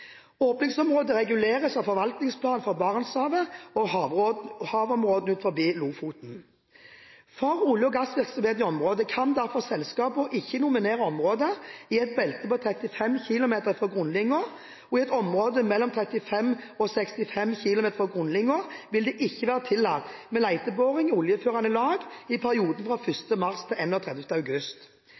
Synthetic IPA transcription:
oːpnɪŋsɔmʁoːd̪əʁɛɡʉleːʁəsɑʋfɔʁʋɑlt̪nɪŋspʰlɑːnfɔʁbɑʁnsɑːʋəɔ | hɑːʋɔmʁoːd̪n̩ʉːt̪fɔʁbiːluːfuːt̪n̩ | fɔʁʊljəɡɑsʋɪʁksɔmheːt̪ɪɔmʁoːd̪əkʰɑnd̪æʁfɔʁsɛlskɑːpʊʔɪçːənʊmɪneːʁəɔmʁoːd̪əɪɛt̪̚bɛlt̪əpɔt̪ʰɾɛt̪ɪfɛmçɪlʊmeːt̪əʁfʁɔɡʁʊnlɪŋːʊʁ | ɔɪɛt̪ɔmʁoːd̪əmɛlːɔmt̪ʰʁɛt̪ɪfɛmɔsɛkst̪ɪfɛmçɪlʊmeːt̪əʁɔɡʁʊnlɪŋːʊʁʋɪld̪ɛʔɪçːəʋæːʁət̪ʰɪlːɑt̪ːmɛːlæɪt̪əboːʁɪŋʊljəføːʁɑnəlɑːɡɪpʰæʁɪuːd̪ən̩fʁɑːfʏst̪əmɑʁst̪ʰɪlɛnɔːt̪ʰʁɛd̪ɛft̪əɑʉɡʉst̪

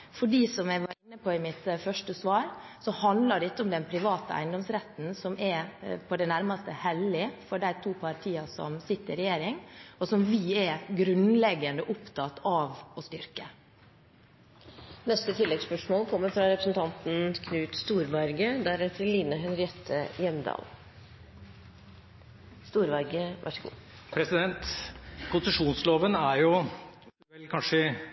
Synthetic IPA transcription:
fɔɖiːsɔmjæɪʋɑɾɪnːəpʰɔːɪmɪt̪fœʂʈəsʋɑːɾsɔhɑnd̪lɑɖɛɪt̪ːəɔmd̪ɛnpʰɾɪʋɑːt̪əʔæ̰ɪnd̪ɔmsɾɛt̪ːn̩sɔmʔɛpʰɔd̪ɛnæɾmɑst̪əhɛlːɪfɔɖæɪt̪ʰuːpʰɑɾʈ̪ʰiːɑsɔ̰msɪt̪ːəɾɛjeːɾɪŋɔsɔmʋɪɛɡɾʉnlɛɡɑnd̪əʔʊpt̪ʰɑt̪ɑʋɔst̪ʏɾkə | nɛst̪ət̪ʰɪlːɛɡspœʂmoːlkʰɔmːəɾfɾɑɾɛpɾəsn̩t̪ʰɑnt̪n̩kʰnʉːt̪st̪uːɾʋɑɾɡəd̪æɾɛt̪ʰɪlːiːnəɦɛnɾɪɛt̪ʰːəjɛmd̪ɑ̰ːl | st̪uːɾʋɑɾɡəʋʔæ̰ʂɡṵː | pʰɾɛsɪd̪ɛnt̪kʰʊnsəʂuːnsloːʋənæɾjʊ | ɛlkʰɑnʂə

